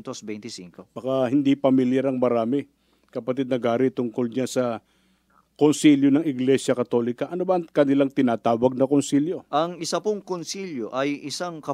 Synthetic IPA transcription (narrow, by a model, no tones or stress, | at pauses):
t̪osbɛjnt̪ɪsḭŋkobɐkahɪnd̪ipɐmɪljɛɾɐŋmɐɾaːmɪ | kɐpɐt̪id̪nɐɡaːɾɪt̪ʊŋko̞ld͡ʒansɐ | konsiljonɐŋɪɡlɛsjɐkɐt̪o̞ːlɪkɐʔɐnobɐkɐnɪlaŋt̪ɪnaːt̪aːwɐɡ̚nɐkonsiljo̞ʔɐŋɪsɐpʊŋkonsiljoʔɐjɪsaŋkɐ